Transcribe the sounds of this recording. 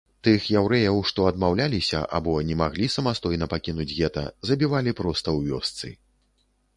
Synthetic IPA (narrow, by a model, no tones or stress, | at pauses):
t̪ɨxjawɾɛjɐwʂt̪ɔɐd̪mawlʲalʲisʲɐ̰ʔa̰bɔnʲɛmaɣlʲisɐmast̪ɔjnɐpakʲinud͡zʲɣɛt̪ɐ̰zɐbʲivalʲipɾɔst̪ɐwvʲɔst̪sɨ̰